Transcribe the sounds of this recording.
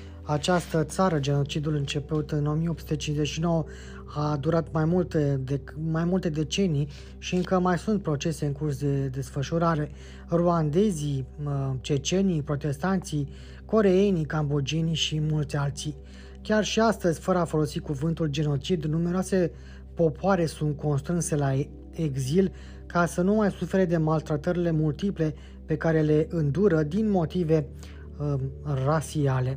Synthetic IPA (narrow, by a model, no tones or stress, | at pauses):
at͡ʃast̪ət̪saɾəd͡ʒe̞no̞t͡ʃid̪ulɨnt͡ʃe̞put̪ɨno̞mijeopsut̪et͡ʃinze̞t͡ʃʃino̞wə | ad̪uɾat̪majmult̪emajmult̪e̞d̪e̞t͡ʃe̞nij | ʃiɨŋkəmajsunt̪̚pɾo̞t͡ʃe̞se̞ɨŋkursd̪e̞d̪e̞sfəʃuɾaɾe̞ | ruand̪e̞zi | t͡ʃet͡ʃe̞nijpɾo̞t̪e̞st̪ant̪si | ko̞ɾe̞jenikambod͡ʒeniʃimult̪sʲalt̪si | kʲarʃiast̪əzʲfəɾəafo̞lo̞sikuvɨnt̪uld͡ʒe̞no̞t͡ʃid̪nume̞ɾeoase̞ | po̞poaɾe̞sunt̪̚ko̞nst̪ɾɨnse̞la | eɡzil | kasənumajsufe̞ɾe̞d̪e̞malt̪ɾat̪əɾile̞mult̪iple̞ | pe̞kaɾe̞le̞ʔɨnd̪uɾəd̪inmo̞t̪ive̞ | rasiale̞